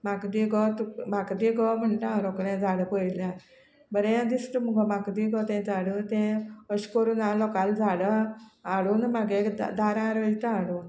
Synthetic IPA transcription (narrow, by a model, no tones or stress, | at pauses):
makd̪iɡɔt̪makd̪iɡɔm̤əɳʈaãɾɔkɽɛ̃d͡zaɽəpəjla | bəɾẽãd̪ist̪əmuɡəmakd̪iɡɔt̪ɛ̃d͡zaɽət̪ɛ̃əɕkɔɾunãlɔkald͡zaɽəaɽunmaɡek̪d̪aɾãɾəjt̪ãaɽu